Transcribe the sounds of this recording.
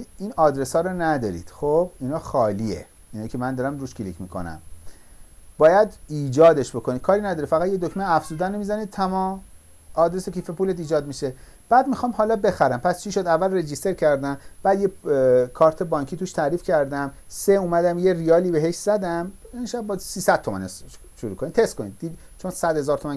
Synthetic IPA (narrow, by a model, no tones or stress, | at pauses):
inɒːd̪ɾe̞sɒːɾɔnæd̪ɒ̰ɾḭd̪̥xob̥inɒːxɒːliḛ | inɒjicʰemænd̪ɒːɾæmɾuːʃcʰelḭcʰmiːkʰo̞̰næ̰m | b̥ɒːjæd̪iːd͡ʒɒːd̪e̞ʃbo̞kʰonid̪̚kʰɒːɾinæd̪ɒːɾifæɣæd̪jed̪okʰmeæfz̥uːd̪ænomizænid̪̚t̪ʰæmɒːm | ɒːd̪ɾesokʰifepulet̪iːd͡ʒɒːd̪miʃe̞ | b̥æːd̪mixɒːmhɒːlɒːbe̞xæɾæmpʰæst͡ʃʰiʃo̞d̪ævːælred͡ʒist̪ʰe̞ɾcʰæɾd̪æmb̥æːd̪jekʰɒːɾt̪ʰe̞bɒːŋcʰiːt̪uːʃt̪ʰæɾiːfcʰæɾd̪æmseumæd̪æmje̞rijɒːliːbe̞ɦeʃz̥æd̪æmenʃæb̚bɒd̪siːsæd̪̥t̪ʰo̞mæ̰ne | ʃoɾuːkʰonit̪ʰest̪konḭd̪d̪i | t͡ʃʰonsæd̪he̞zɒːɾt̪ʰomæn